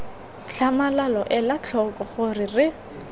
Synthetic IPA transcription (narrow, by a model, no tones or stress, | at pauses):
t͡ɬʰamalalɔʔɛlat͡ɬʰɔkʼɔχʊrɪrɪ